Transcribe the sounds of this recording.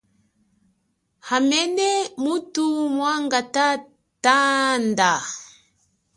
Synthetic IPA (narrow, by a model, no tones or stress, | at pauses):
hamɛnɛmutumwaŋɡata | tanda